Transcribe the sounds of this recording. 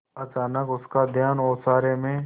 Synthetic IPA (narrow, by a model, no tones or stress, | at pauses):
ɐt͡ʃaːnəkʊskad̪ʱjaːnɔːsaːɾemẽ